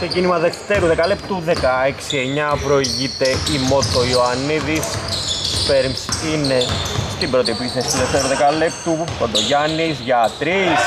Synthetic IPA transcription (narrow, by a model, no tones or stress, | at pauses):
secinimɐðe̞kt̪eɾuðe̞kɐlep̚t̪uðekɐeksieɲɐvɾoiʝit̪e̞imot̪ːoioɐnːiðisspeɾmsinest̪ibɾo̞t̪ipisest̪uðeft̪eɾuðekɐlept̪upot̪oʝɐnisʝɐt̪ɾis